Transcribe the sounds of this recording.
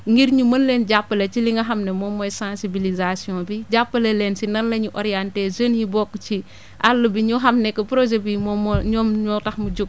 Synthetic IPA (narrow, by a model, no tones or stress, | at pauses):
ŋɡiɾɲumɐnlenɟapːɐlet͡ʃiliŋɡɐɦɐmnemɔmɔjsãnsibilizasijɔ̃biɟapːɐlelɛːnsinɐnlɐɲuʔɔɾijantɛsənjibɔkːt͡ʃi | ʔalːɐbiɲuɦɐmnɛkːɐpɾod͡ʒɛbimɔmɔɲɔmɲɔtɐxmud͡ʒuk̚